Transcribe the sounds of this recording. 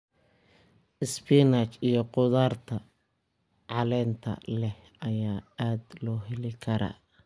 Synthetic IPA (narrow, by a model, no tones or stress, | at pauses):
ʔɪspiːnaːt͡ʃijɞqʊðaːrt̪ʰɐ | ʕɑlɛːnt̪ʰɐ̰lɛh | ɐjaːaːd̪lɔːɦɛlɪkʰɐɾɐ̰ː